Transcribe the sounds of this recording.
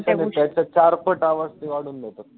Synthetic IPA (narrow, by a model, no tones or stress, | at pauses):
t͡ɕʰanet̪jat͡ɕat͡ɕaɾpəʈaʋəst̪iʋaɽuːnd̪et̪at̪̚